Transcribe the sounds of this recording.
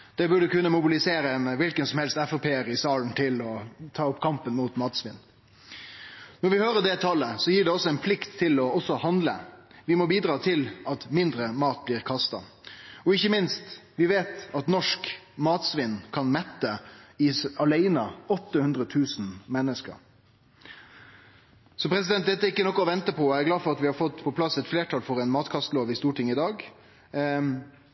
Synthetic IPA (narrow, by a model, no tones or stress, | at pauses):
d̪̥ɛbʉɖəkʉnːəmʊbɪlɪseːɾəɛnʋɪlkənsɔmhɛlst̪ɛfəpʰeːəɾɪsɑːln̩t̪ʰɪlɔt̪ʰɑːɔpkʰɑmpənmuːt̪mɑːt̪sʋɪ̰n | nɔɾʋɪhøːɾəɖɛt̪ʰɑlːəsɔjiːɖɛɔsːɔɛnpʰlɪkt̪ʰːɪlɔɔsːɔhɑnd̪ləʋɪmɔbiːd̪ɾɑːt̪ʰɪlɑt̪mɪnd̪ɾəmɑːt̪̚bliːɾkʰɑst̪ɑɔɪçːəmɪnst̪ʋɪʋeːt̪ɑt̪nɔʂkmɑːt̪sʋɪnːkʰɑnmɛt̪ːəɪɑlæɪnɑɔt̪ːəhʉnd̪ɾət̪ʰʉːsnmɛnːəskə̰ɾ | sɔpʰɾɛsɪd̪ɛnt̪̚d̪ɛt̪ːəɪkːənɔkːɔɔʋɛnt̪əpʰɔɔæɪɡlɑːfɔɾɑt̪ʋɪhɑɾfɔt̪ːpʰɔpʰlɑsɛt̪fleːʈʰɑlfɔɾɛɪnmɑːt̪kʰɑst̪loːʋɪst̪uːʈʰɪŋːɪd̪ɑːɡ